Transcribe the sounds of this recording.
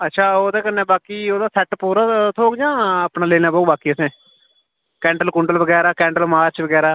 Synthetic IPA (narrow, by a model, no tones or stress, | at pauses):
ətːʃʰaːoːd̪eːkənːeːbaːkiːoːd̪aːsɛːʈpoːɾaːt̪ʰoːɡd͡ʒãːaːpnaːleːnaːboːbaːkiːəsẽː | kɛ̃ːɳʈəlkʊɳɖəlʋəɡɛːɾaːkɛ̃ːɳʈəlmaːɾt͡ʃʋəɡɛːɾaː